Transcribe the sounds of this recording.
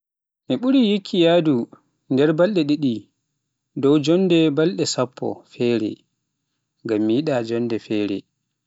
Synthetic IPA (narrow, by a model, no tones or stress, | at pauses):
miɓuɾijikʰːijadu | ndɛɾbalɗɛɗiɗi | dɔwd͡ʒɔndɛbalɗɛsapʰːɔ̰fɛɾɛ̰ | ŋɡamːijiɗad͡ʒɔndɛfɛːɾɛ̰